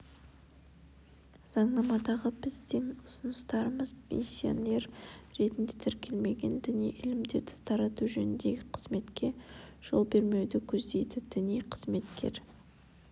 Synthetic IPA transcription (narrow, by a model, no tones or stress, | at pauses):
z̥ɑɴnɑmɑd̪ɑʁəbɪzd̪ɪŋʊsʊnəst̪ɑɾəməzpʰḛnsʲio̰ne̞ɾɾe̞t̪ɪnd̪et̪ʰɪɾkʲʰe̞lme̞ɡʲe̞nd̪ɪnijʔɪlɪmd̪e̞ɾd̪ɪt̪ʰɑɾɑt̪uʒɵnɪnd̪eɡʲɪqʰəzme̞t̪kʲʰe̞ʒ̥o̞̰lˠbe̞ɾme̞wd̪ɪkʲʰɵzd̪e̞jd̪ɪd̪̥ɪnijqʰəz̥me̞t̪kʲe̞̰ɾ